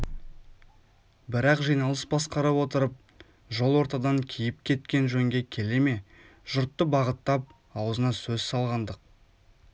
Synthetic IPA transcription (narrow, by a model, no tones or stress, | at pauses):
bɪɾɑqʒijnɑlˠəsbɑsqɑɾɑpwo̞t̪əɾəp̚ | ʒo̞lˠwoɾt̪ɑd̪ɑŋkʲʰijɪpkʲʰe̞t̪̚kʲe̞nʒɵŋɡʲe̞kʲʰe̞le̞me̞ | ʒ̥ʊɾt̪ːəbɑʁət̪ːɑp̚ | ɑwəzənɑsɵzsɑlˠʁɑnd̪əq̚